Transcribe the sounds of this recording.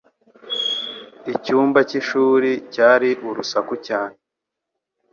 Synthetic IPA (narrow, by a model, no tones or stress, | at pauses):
icuːmbaciʃuːɾicaːɾiʔuɾusakucaːn̥e